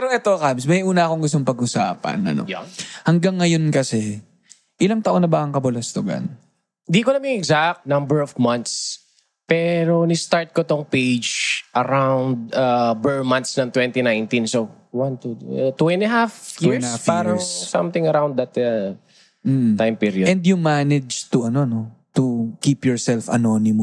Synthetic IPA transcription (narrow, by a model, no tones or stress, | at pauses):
ɾoʔɛt̪okabsmɐjʔuːnɐʔɐko̞ŋɡʊst̪oŋpɐɡʔʊsa̰ːpɐ̰nɐ̰no̰hɐŋɡaŋːɐjo̞nkɐsɛ | ʔɪlaŋt̪ɐʔo̞nɐbaʔɐŋkɐbʊlɐst̪oɡɐ̰n | nd̪ikonɐmɪŋɛɡzak̚t̪̚nɐ̃mbɛɹɔvmɐ̃nt̪s | pɛɾonɪst̪aɹt̪̚kot̪oŋpejd͡ʒʔɐɾawnd̪̚ɐbɛɹmɐ̃nt̪snɐŋt̪wɛ̃nt̪inãjnt̪ĩnso | wɐnt̪ut̪wɛnɐɦafjiɹsafpaːɾɐŋssɐ̰̃mt̪ɪ̃ŋɐɾawnd̪ɐt̪ɐ | m̩t̪ajmpiɾiodɛnd̪jʊŋmanɛd͡ʒt̪uʔɐno̞no̞t̪ukipjɔɹsɛlfɐ̰nonɪmʊ